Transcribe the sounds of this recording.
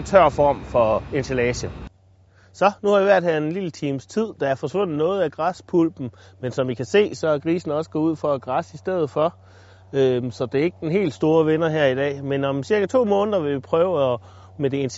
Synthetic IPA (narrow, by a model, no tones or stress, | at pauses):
t͡sʰɶɐ̰fɒ̰ːmfɒ̽e̝nsʰelɛːɕə | sɒ̽nuhɑ̈ʋiʋæɐ̰d̥hæɐe̝nlilət͡sʰiːmst͡sʰið̞̰ˠd̥ɑ̈æɐfɒ̽sʋɔ̽n̰ð̩ˠnɔ̽ːð̞̩ˠæɡ̥ʁɑspʰulb̥n̩mensɒ̽mʋikʰæse̝̰ːsɒ̽æɐɡ̥ʁḭːsn̩ɒ̽sə̥ɡ̥ɔuð̞̰ˠfɒ̽æɡ̥ʁɑsisd̥eð̰ð̩ˠfɒ̽ | øsɒ̽d̥e̝ɐe̝ɡ̥əd̥enɦe̝̰ːld̥sd̥o̝ːɐʋenɐɦæɐ̰id̥ɛ̰ːmenɒ̽msiɐɡ̥æt͡sʰo̝̰ːmɔ̽ːnðˠɐʋe̝ʋipʰʁœːʊɒ | med̥e̝ens